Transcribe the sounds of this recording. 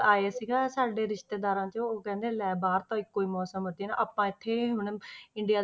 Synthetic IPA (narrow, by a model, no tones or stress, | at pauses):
aːeːsɪɡasaːɖeːɾɪʃt̪eːd̪aːɾãːt͡ʃəoːkɛ̃ːnd̪eːlɛːbaːɾt̪ãːɪkːoːiːmɔːsəmɦoːt̪iːna̰ʔaːpãːɪt̪ʰːeːɦʊɳɪɳɖɪjaː